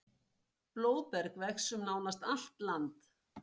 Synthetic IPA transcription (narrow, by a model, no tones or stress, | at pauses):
ploːwðpɛɾkvɛksʏmnaːwnast̪al̥t̪lant̪